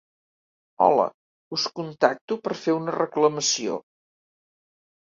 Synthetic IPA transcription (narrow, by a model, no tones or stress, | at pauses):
ɔ̰lə̰ | uskunt̪ak̚t̪upəɾfeunərəkləməsio̰